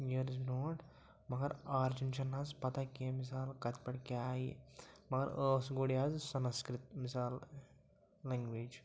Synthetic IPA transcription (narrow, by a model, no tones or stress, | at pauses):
jeɾznoːʈ | mɐɡɐɾaːɾd͡ʒunt͡ʃɐnːazpɐt̪akemis̬aːlkɐt̪ʰpɐʈkʲajimɐɡɐɾəsɡoɽiazsɐnskɾit̪misaːlː | ɛŋɡʋeːd͡ʒ